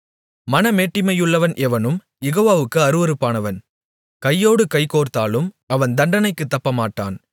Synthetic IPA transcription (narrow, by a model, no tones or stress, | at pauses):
mɐnɐmeːʈːɪmɐjɯɭːɐʋɐnʔɛʋɐnɯm | jɛɣoːʋaːʋɯkːɯɐɾɯʋɐɾɯpːaːnɐʋɐn | kɐjːoːɽɯkɐɪkoːɾt̪aːlɯm | ɐʋɐnd̪ɐɳɖɐnɐɪkːɯt̪ːɐpːɐmaːʈːa̰ːn